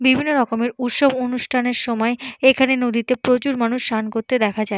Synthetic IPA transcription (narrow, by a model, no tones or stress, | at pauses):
bibʱinːoɾɔkomeɾut̪ʃobonuʃʈʰaneɾʃɔmɔeekʰanenod̪it̪epɾot͡ɕuɾmanuʃːankoɾt̪ed̪ɛkʰad͡ʑae